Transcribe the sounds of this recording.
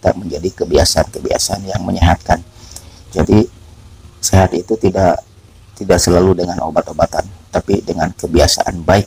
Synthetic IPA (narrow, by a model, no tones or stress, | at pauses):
t̪a̰ʔməɲd͡ʒadikəbia̰saankəbia̰saanjaŋməɲaɦat̪̚kand͡ʒadi | seɦat̪it̪ut̪idaʔ | t̪idaʔsəlaludəŋanʔo̰bat̪obat̪a̰nt̪apidəŋankəbiasa̰ʔa̰nbaɪk̚